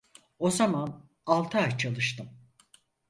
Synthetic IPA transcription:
o̞zaman | alˠt̪ʰat͡ʃʰalˠɯʃt̪ɯm

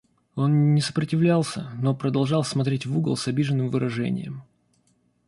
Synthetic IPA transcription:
o̞nnʲːɪsə̥pɾətʲɪvlʲalˠsʲəno̞pɾəd̪ɐlˠʐɑlˠsmɐt̪ɾʲetʲvuɡə̰lˠsɐbʲiʐənːɨmvɨɾɐʐɛ̰nʲɪ̰jə̰m

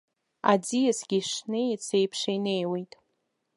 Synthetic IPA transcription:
a̰d͡zijasɡʲiʂnejt͡sʰejpʰʂejne̞jwejtʼ

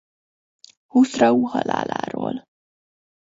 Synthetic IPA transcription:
husrɒuːhɒlaːlaːɾoːl

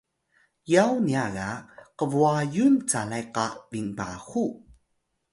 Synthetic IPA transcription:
jawniaɣaqəvuajunt͡salajqavinba̰xu

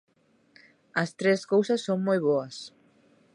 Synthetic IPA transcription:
ɐst̪ɾeskowsɐsːoŋmojβoɐs

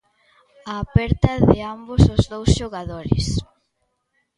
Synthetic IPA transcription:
aːpɛɾt̪ɐðɪambʊsʊzðowsʃoɣaðoɾɪ̰s

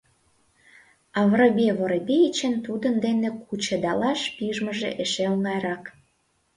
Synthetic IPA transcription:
ɑβrobeβoɾebʲejit͡ɕənt̪ud̪ənd̪enekʰut͡ɕed̪ɑlɑʃpiʒməʒḛʔeʃeoŋɑjɾɑk

